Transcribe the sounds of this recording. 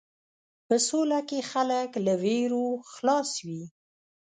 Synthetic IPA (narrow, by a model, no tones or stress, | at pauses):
pəsolakexaləklaweɾoxlɑswi